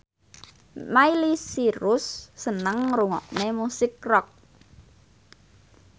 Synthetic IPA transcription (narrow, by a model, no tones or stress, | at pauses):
mailisiɾʊsːənəŋruŋɔ̰ʔnemusɪk̚rɔk̚